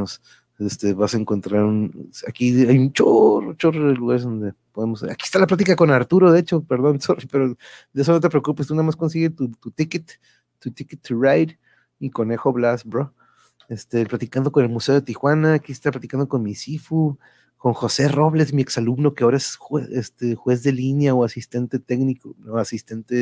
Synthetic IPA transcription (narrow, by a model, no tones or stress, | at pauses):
os | est̪e̞βasaeŋko̞nt̪ɾaɾunakiajunt͡ʃoro̰t͡ʃo̞roðeluɣaɾezðond̪e̞po̞ðemosa̰ki̥est̪alaplat̪ikako̞naɾt̪uɾo̞ðet͡ʃo̞pe̞ɾðo̞nsoripe̞ɾod̪ees̬o̞not̪e̞pɾe̞okupest̪unaðamasko̞ns̬iɣet̪ut̪ut̪iket̪ː | ut̪iket̪ːurajd | iko̞ne̞xo̞βlasbɾo | est̪elplat̪ikand̪o̞ko̞ne̞lmuse̞o̞ðet̪ixwanaːkiest̪aplat̪ikand̪oko̞nmisifu | ko̞ŋxo̞se̞ro̞βle̞smie̞ksalubno̞keaoɾaeseest̪exwe̞zðe̞linjaoasist̪e̞nt̪e̞t̪eknikooasist̪e̞nt̪e